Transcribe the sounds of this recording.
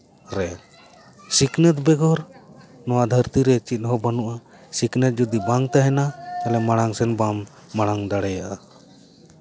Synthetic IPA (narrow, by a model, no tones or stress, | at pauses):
ɾɛ | siknɛt̪̚bɛɡɔɾnɔwad̪ʱəɾt̪iɾɛt͡ʃit̪̚ˀɦɔbanuʔa | siknɛt̪̚d͡ʒɔd̪ibaŋt̪aɦɛnaɛlɛmaɽ̃aŋsɛnbamː | aɽ̃aŋd̪aɽɛjaʔa